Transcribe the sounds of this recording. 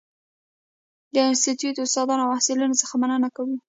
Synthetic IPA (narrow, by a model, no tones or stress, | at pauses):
d̪əɪnst̪it̪jut̪ʊst̪ɑd̪ɑnoawasɪlunot͡səxamanənakawu